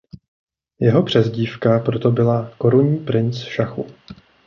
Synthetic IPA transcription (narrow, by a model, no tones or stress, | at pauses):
jɛɦo̞pr̝̥ɛzɟiːfkapɾo̞t̪o̞bɪlako̞ɾuɲiːpɾɪnt͡sʃaxṵ